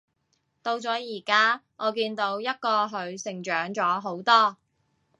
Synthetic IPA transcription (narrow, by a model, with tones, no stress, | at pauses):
t̪o˧wt͡sɔː˨˥jiː˨˩kaː˥ | ɔː˨˧kiː˧nt̪o˨˥wjɐ˥t̚kɔː˧ɦɵ˨˧ɥsɪ˨˩ŋt͡ʃœː˨˥ŋt͡sɔː˨˥ɦo˨˥wt̪ɔː˥